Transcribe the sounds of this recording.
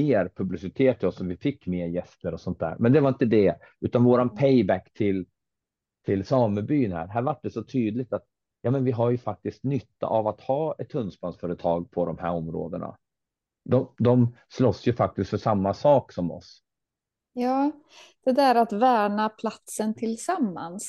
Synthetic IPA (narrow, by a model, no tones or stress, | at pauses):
eːɾpʰɵblɪsɪt̪ʰeːt̪ʰːɔsːɔvɪfɪkːmeːɾjɛst̪əɾɔsɔnt̪̚d̪æ̰ːɾmɛnd̪ɛvaɾɪnt̪əd̪ɛ | ʉ̟ːt̪anvoːɾanpʰɛjbækːt̪ʰɪl | t̪ʰɪlsɑːməbyːnhæ̰ːɾɦæːɾvaʈ̚ːɖɛsɔt̪ʰyːd̪lɪɡ̚t̪at̪̚ | jɑːmɛnvɪɦaɾjɵfak̚t̪ɪskt̪nʏt̪ːa̰ʔavat̪hɑːɛt̪ʰːɵnspansfœːɾət̪ʰɑːɡ̚pʰɔd̪ɔmhæ̰ːɾɔmːɾo̰ːd̪əɳa̰ | d̪ɔd̪ɔm | slɔsːjɵfak̚t̪ɪst̪fœʂamːasɑːksɔmɔ̰s | jɑː | d̪̥ɛd̪æːɾat̪væːɳapʰlat̪sənt̪ʰɪlsamːans